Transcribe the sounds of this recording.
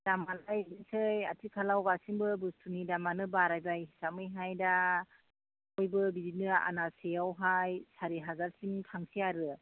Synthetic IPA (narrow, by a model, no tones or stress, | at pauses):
d̥amalajbinsɯjatʰikʰalawɡasiŋbɯbɯstʰunidamanɯbaɾajbajɦi̥samɯjɦajda | ɔjbɯbizit̚nɯa̰nasejawɦajsaɾiɦazaɾsiŋtʰaŋsiaɾɯ